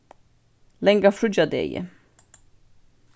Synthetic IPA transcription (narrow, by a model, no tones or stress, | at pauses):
lɛŋɡafɾʏd͡ʒad̪ḛjə̰